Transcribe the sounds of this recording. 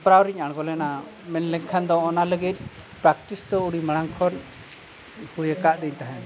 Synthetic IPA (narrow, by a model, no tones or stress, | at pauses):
pɾawɾiɲaɽ̃ɡɔlɛna | mɛnlɛŋkʰand̪ɔːnaləɡit̪̚ˀ | pɾak̚t̪isd̪ɔuɽimaɽ̃aŋkʰɔn | hujəkaʔd̪ɛɲt̪aɦɛ̃